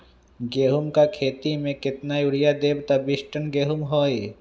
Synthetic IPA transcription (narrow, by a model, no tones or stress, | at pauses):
ɡeːɦʊmkakʰeːt̪imẽkɪt̪najʊɽijad̪eːbt̪abɪʃʈənɡeːɦʊmɦoːe